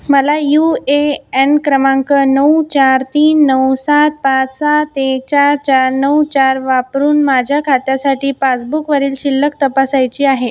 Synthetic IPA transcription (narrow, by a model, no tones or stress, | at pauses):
məlajueenkɾəmãŋkənəwt͡ɕaɾt̪iːnːəwsat̪̚pat͡ssat̪ek̚t͡ɕaɾt͡ɕaɾnəwt͡ɕaɾʋapɾuːnmad͡ʑʱjakʰat̪jasaʈiːpat͡sbukʋəɾiːlɕilːəkt̪əpasajt͡ɕiːaɦe